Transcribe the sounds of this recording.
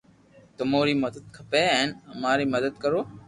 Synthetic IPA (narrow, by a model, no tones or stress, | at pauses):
t̪ʊmoːɾiːməd̪əd̪̚kʰəpeːɛːnəmaːɾiːməd̪əd̪̚kəɾoː